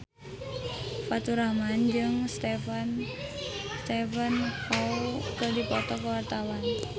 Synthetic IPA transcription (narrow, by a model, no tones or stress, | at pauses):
fat̪uɾamand͡ʒɨŋst̪efan | st̪efənkaukədipɔt̪ɔkəwart̪awan